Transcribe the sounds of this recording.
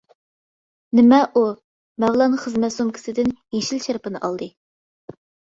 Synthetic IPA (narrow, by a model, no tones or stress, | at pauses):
nɪmɛʔu | mɛwlˠɑnχəzmɛt̪somkʲʰɪ̥sɪd̪ɪnjeʃilʃæɾpɨnɨʔɑlˠd̪ɨ